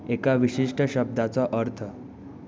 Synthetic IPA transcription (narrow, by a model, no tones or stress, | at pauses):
ekaʋiɕiʂʈəɕəb̚d̪at͡saʔəɾt̪ʰə